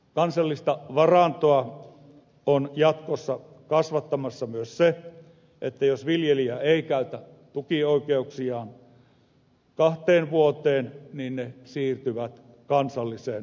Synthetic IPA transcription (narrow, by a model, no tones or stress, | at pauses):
kɑnsɑlːist̪ɑʋɑrɑnt̪oɑ | onjɑt̪kosːɑ | kɑsʋɑt̪ːɑmɑsːɑmyøsse | ʔet̪ːæjosʋiljeliæeˑikæˑyt̪æ | t̪ukioˑikeuksiɑːn | kɑht̪eːnʋuot̪eːnniːnnesiːrt̪yʋæt̪ | kɑnsɑlːiseːn